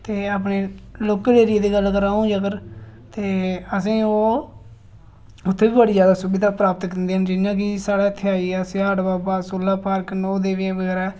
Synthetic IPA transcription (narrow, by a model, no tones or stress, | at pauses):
t̪eːaːp̬ɳeːloːkẽːdeːɾɪeːd̪eːɡəlːkəɾaːũːd͡ʒəkəɾt̪eːəs̬ĩːoː | ʊt̪ʰːeːbiːbəɽiːd͡ʒjaːd̪aːsʊbɪd̪aːpɾaːpət̪knd̪eːɦənd͡ʒɪnjãːk̬ɪsaːɽaːt̪ʰːeaːiːɛːsɪaːʈbaːpaːsoːlaːpaːɾknɔːd̪eːʋẽːbəɡɛːɾɛː